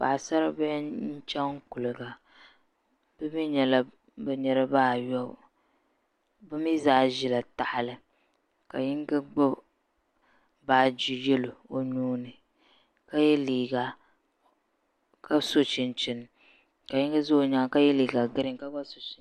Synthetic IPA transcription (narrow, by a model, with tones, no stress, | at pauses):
pa̰˨sa˦ɾa˦bɛ˦n̩˦t͡ʃɛ˦ŋ˦ku˨lɨ˨ɡa˨ | b̥ɨ˦mi˦ɲɛ˨la˦ | bɛ˦ɲɛ˦ɾa˦baː˦˨jɔ˦b | bɨ˦mi˦zaː˦˨ʒi˨la˨ta˨ha˨lɨ˨ | ka˨jɪ˦ŋ˦ɡɨ˦ɡ͡bʊ˦ | baː˨d͡ʒi˨jɛ˦lo˨o˦ɲuː˦nɨ˨ | ka˦jɛ˦liː˨ɡa˨ | ka˦so˦t͡ʃɪ˨n˨t͡ʃɪ˨n˨ | ka˨jɪ˦ŋɡɨ˦zo˦ɲaː˦ka˦jɛ˦liː˨ɡa˨ɡɨ˦ɾɨ˨ŋ˨ka˦ɡ͡ba˦so˨t͡ʃi˨˦